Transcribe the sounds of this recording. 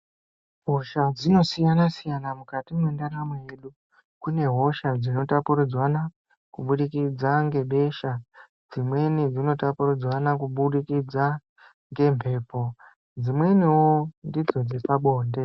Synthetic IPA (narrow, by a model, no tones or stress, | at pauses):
ɦo̞ʃad͡zino̞sijanasijanamukatimwendaɾamweje̞ɗu | kune̞ɦo̞ʃad͡zino̞tapuɾud͡zwana | kuɓuɗikid͡zaŋɡe̞ɓe̞ʃa | d͡zimwe̞nid͡zino̞tapurud͡zwanakuɓuɗikid͡za | ŋɡe̞mpʰe̞ːpo̞ | d͡zimwe̞niwondid͡zo̞d͡zepaɓo̞ːnde̞